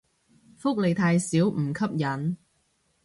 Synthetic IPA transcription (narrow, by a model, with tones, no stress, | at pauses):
fʊ˥k̚le˨˩jt̪ʰaː˧jsiː˨˥wm̩˨˩kʰɐ˥p̚jɐ˨˥n